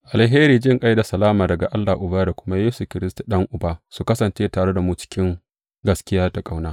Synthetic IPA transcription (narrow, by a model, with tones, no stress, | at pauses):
ʔa˨lɦeː˦ɾiː˨d͡ʒɪ˦ŋkʼa˦jda˨sɐ˨laː˦maː˨dɐ˨ɡa˨ʔa˦lːaː˨ʔʊ˨baː˦da˨kʷʊ˦ma˦jeː˦su˨kʲɪ˨ɾɪ˦stḁ˨ɗɐ˦ŋʔʊ˨baː˦su˨kɐ˦sɐ˨nt͡ʃeː˦taː˨ɽe˦da˨muː˦t͡ʃɪ̥˦kʲɪ˦ŋ | ɡɐ˦skʲɪ˦jaː˦ta˨kʼa˦wnaː˦